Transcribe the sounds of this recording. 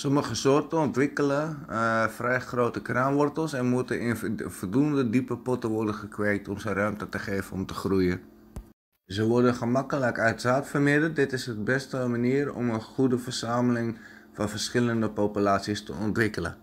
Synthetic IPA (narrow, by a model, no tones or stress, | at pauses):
sɔməχəsoːrtəɔntʋɪkələəfrɛjxroːtəkranʋɔrtəlˠsɛnmutənɪnfɔlˠduəndədipəpɔtəʋɔrdəχəkʋeːk̚tɔmsərœɥmtətəχeːvənɔmtəχrujə | zəʋɔrdəχəmakələkœɥtsaːtfərmɪdər̚dɪtɪsət̚bɛstəmaniəɾɔ̰mənχudəfərsaːməlɪŋ | fɑnfərsχɪləndəpopylaːtsiəstə̰ɔntʋɪkələ̰